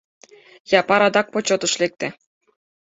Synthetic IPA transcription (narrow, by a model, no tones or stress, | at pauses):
jɑpɑɾɑd̪ɑk̚pot͡ɕot̪ɤ̆ʃlʲek̚t̪ʲɘ̆